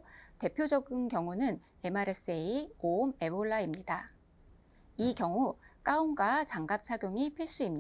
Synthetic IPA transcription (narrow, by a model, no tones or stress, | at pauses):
te̞pʰjod͡ʑʌɡinkjʌŋunɯn | e̞maɾe̞s͈eiome̞boɭːaimɲida | ikjʌŋuk͈aumɡat͡ɕaŋɡap̚t͡ɕʰaɡjoŋipʰiɭs͈uimɲi